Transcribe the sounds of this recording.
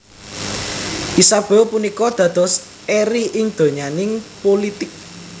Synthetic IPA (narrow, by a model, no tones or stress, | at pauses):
ʔisab̥ɛlpunikɔd̪̥ä̤d̪̥ɔ̤s | eɾiʔɪŋd̪̥o̤ɲanɪŋpolit̪ɪk̚